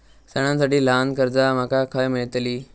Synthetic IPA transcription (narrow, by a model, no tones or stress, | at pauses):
səɽ̃ãns̬aʈiːlankəɾd͡zam̤akakʰəjmeɭt̪liː